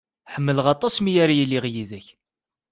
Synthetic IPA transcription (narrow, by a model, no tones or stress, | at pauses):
ħəmːələʁɑt̪ˤɑsmijaɾajəlːiʁjiðæç